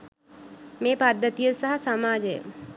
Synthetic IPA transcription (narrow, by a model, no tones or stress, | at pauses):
meːpad̪ʱːət̪ijəsaɦasamaːd͡ʒəjə̰